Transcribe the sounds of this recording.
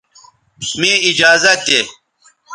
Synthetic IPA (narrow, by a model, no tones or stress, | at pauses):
mĩid͡ʑaːzɐt̪̚e